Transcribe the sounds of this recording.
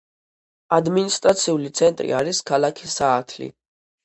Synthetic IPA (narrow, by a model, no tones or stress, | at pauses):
ad̪minist̪ʼɾat̪sʰiulit̪sʰɛnt̪ʼɾḭaɾiskʰalˠakʰisaːt̪ʰlḭ